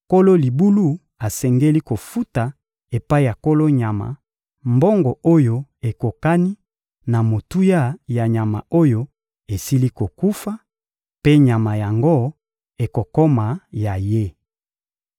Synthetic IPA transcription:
ko˦lo˦li˨bu˦lu˦˨ | a˨sɛ˨ŋɡe˦li˦ko˨fu˦ta˨ | e˨pa˦i˦ja˨ko˦lo˦ɲa˨ma̰˨ | mbo˦ŋɡo˨o˦jo˦e˨ko˨ka˦ni˦ | na˨mo˨tu˦ja˦˨ja˨ɲa˨ma̰˨o˦jo˦ | e˨si˦li˦ko˨ku˦fa˦ | pe˦ɲa˨ma˨ja˨ŋɡo˦˨ | e˨ko˨ko˦ma˨ja˨je˦

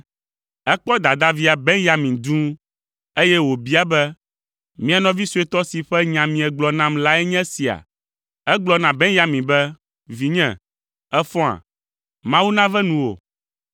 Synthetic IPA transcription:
ɛ˦k͡pɔ˦d̪a˨d̪a˦vi˦a˨bɛ̃˦ja˦mĩ˨d̪ũ˦ | e˦jɛ˦wo˨bi˦a˨bɛ˦ | mĩ˦a˨nɔ̃˨vi˦su˦ɛ˦t̪ɔ˦si˨ɸɛ˦ɲã˨mĩ˨ɛ˨ɡ͡blɔ˨nã˦mla˦ɛ˦ɲɛ̃˦si˨a̰˨ | ɛ˦ɡ͡blɔ˦nã˨bɛ̃˦nja˦mĩ˨bɛ˦ | vi˨ɲɛ̰̃˨ | ɛ˦fɔ̃˦a̰˨ | mã˦wu˦nã˦vɛ˦nũ˨wo̰˨

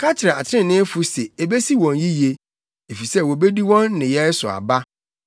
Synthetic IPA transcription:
kʰa˦tʰɪ˨ɾa˨a˨tʰɪ˦ɪ̃˦˨nɪ̃˦fʊ˦sɛ˨e˨be˦si˦wɔ̃˨nji˦je˨ | e˨fi˨sɛ˦˨wo˨be˦di˦wɔ̃˦nːɪ̃˨jɛ˦sʊ̰˨a̰˨ba˦

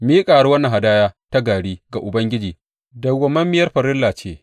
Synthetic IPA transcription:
miː˦kʼaː˨ɽu˦wɐ˦nːa˨ɦa˨daː˦jaː˦ta˦ɡaː˨ɽiː˦ɡa˨ʔʊ˨bɐ˦ŋɡʲɪ˦d͡ʒiː˨ | dɐ˨ɡwɐ˨mɐ˦mːɪ˨jɐ˦rɸɐ˨ɾɪ˦lːaː˨t͡ʃeː˦

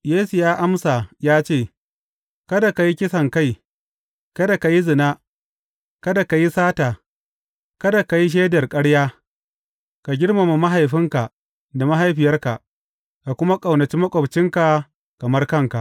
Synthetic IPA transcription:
jeː˦su˨jaː˦ʔa˦msa˨jaː˦t͡ʃeː˦˨ | kɐ˦da˨ka˨ji˦kʲɪ˦sɐ˨ŋka˦˨j | kɐ˦da˨ka˨ji˦zɪ˨naː˦ | kɐ˦da˨ka˨ji˦saː˦taː˨ | kɐ˦da˨ka˨ji˦ʃ̬eː˦dɐ˨rkʼɐ˦ɽjaː˦ | ka˨ɡʲɪ˦ɽma˨mu˨ma˦ɦa˨jɸɪ˦ŋka˨ʔ | da˨ma˦ɦa˦jɸɪ˨jɐ˦rka˨ʔ | ka˨kʷʊ˦ma˦kʼa˨wnɐ˨t͡ʃi˦mɐ˦kʷʼɔ˨bt͡ʃɪ˦ŋka˨ | kɐ˨mɐ˦rkɐ˦ŋka˨ʔ

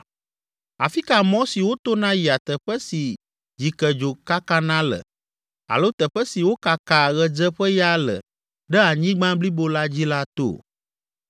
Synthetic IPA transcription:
a̰˨fi˦ka˨mɔ̃˦si˨wo˦t̪o˦nã˦ji˨a˨t̪ə˨ɸə˦si˨ | d͡ʑi˨kɛ˨d͡ʒo˨ka˦kã˦nã˦lə̰˨ | a̰˨lo˦t̪ə˨ɸə˦si˨wo˦ka˨ka˨ɣɛ˨d͡ʒə˦ɸə˦ja˦lə̰˨ | ɖɛ˦a˨ɲĩ˦ɡ͡bã˦bli˦bo˦la˦d͡ʑi˦la˦t̪o̰˦˨

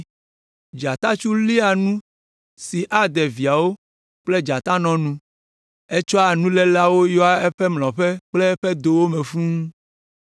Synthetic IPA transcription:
d͡ʒa˨t̪a˦t͡ʃu˦li˦a˨nũ˦ | si˨ʔa˦d̪ɛ˨vi˨a˨wo˦ | k͡ple˦d͡ʒa˨t̪a˦nɔ̃˦nũ˦ | e˦t͡ʃɔ˦a˨nũ˦le˦la˦wo˦jɔ˦a˦e˦ɸɛ˦mlɔ̃˨ɸe˦k͡ple˦ɸe˦d̪o˨wo˦mẽ˨fũ˦

